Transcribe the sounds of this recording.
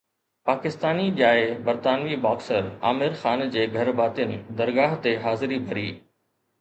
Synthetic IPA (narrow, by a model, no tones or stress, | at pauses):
paːkɪst̪aːniɗjaːebɐɾt̪aːnʋibaːksəɾa̰ːmɪɾxaːnd͡ʑeːɡʱɐɾbaːt̪ɪənɪ̆d̪ɐɾɡaːɦt̪eɦaːzɪɾibʱɐɾiː